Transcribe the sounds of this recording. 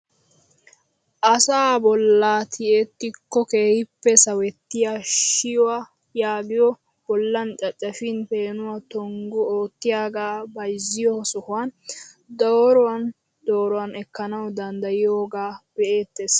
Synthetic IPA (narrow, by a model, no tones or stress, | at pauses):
ʔɐsaːbɔlːaːt̪ʰɪʔet̪ːɪkːɔkeːhɪpːɛsɐwɛt̪ːɪjaʃɪjɔwa | jaːɡɪjɔ | b̥ɔlːɐnt͡ʃʼɐt͡ʃʼːɐfɪnpe̞ːnʊwat̪ɔŋɡʊoːt̪ːɪjaːɡaːbɐjzːɪjɔsɔhʊwan | d̪ɔːɾɔwɐn | d̪̥o̞ːɾɔwɐnɛkːɐnɐwd̪ɐnd̪ɐjɪjoːɡaːb̥ɛʔe̞ːt̪ːes